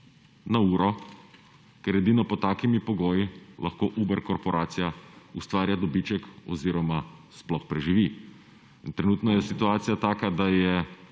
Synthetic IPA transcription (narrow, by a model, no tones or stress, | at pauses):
nauːɾɔ | kɛɾɛd̪iːnɔpɔt̪aːkimipɔɡoːjilʔɐxkoːʔuːbɛɾkɔɾpɔɾʔaːt̪sijaust̪ʋaːɾjad̪ɔbit͡ʃɛkɔ̰ziːɾɔmasplɔxpɾɛʒiʋi | int̪ɾɛnuːt̪nɔjɛsit̪uaːt̪sijat̪aːkad̪ajɛ